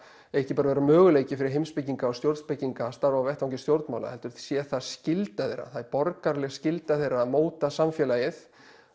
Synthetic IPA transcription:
ɛɛhcɪpaɾaveɾamœːɣʏleːjcɪfɪɾɪɾɦejmspɪcːiŋkaɔst̪jowɾt̪spɪciŋkast̪aɾvawvɛht̪awɲcɪst̪jowɾt̪nmawla̰hɛlt̪ʏɾ̥θsjɛθaðscɪlt̪aθḛjɾːa̰θaðpɔɾkaɾlɛɣscɪlt̪aθejramoːwt̪asamfjɛlajɪθ

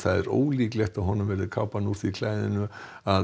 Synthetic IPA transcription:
θaðɛɾo̰ːwliːklɛht̪aðɦɔnːʏmvɛːɾɪkʰawpanuːt̪ikʰlaːjðɪ̰nʏ | a

